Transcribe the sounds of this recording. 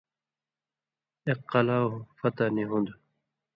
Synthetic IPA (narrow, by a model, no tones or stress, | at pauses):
eqːɐlafʌt̪aniɦũnd̪